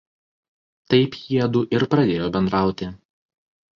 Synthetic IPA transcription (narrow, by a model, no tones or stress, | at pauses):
t̪ɐɪpjiɛd̪uːʔɪɾpɾɐd̪ʲeːjoːbʲɛnd̪ɾɑˑʊt̪ʲɪ